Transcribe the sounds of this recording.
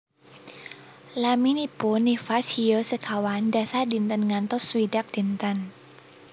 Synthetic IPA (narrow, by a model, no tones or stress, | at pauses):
laminiponifashijosəkʰawandasadi̤nt̪ənŋant̪ʊswidak̚d̪̥i̤nt̪ən